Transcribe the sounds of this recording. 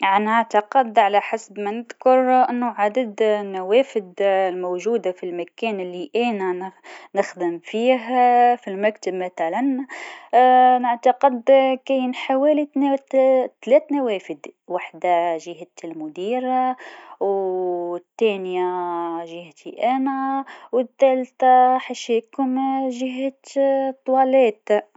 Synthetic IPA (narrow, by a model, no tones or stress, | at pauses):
ʕanaʕt̪ɑqɪd̪ʕalaħasbmanɪd̪kʊɾˤʔɪnːʊʕad̪ad̪nawæːfɪd̪lmowʒuːd̪afilmakɛːnɪlːiʔeːnanɪxd̪ɪmfiːɦfilmækt̪abmaθalan | nɪʕt̪ɑqɪd̪kæjnħawæːlit̪n | t̪lɛːt̪nawæːfɪd̪waħd̪aʒɪɦat̪ɪlmʊd̪iːɾaw | t̪ːæːnjaʒɪht̪ʰiʔæːnæwɪt̪ːæːlt̪aħaʃækʊmʒɪɦat̪t̪ˤːwɑːlæːt̪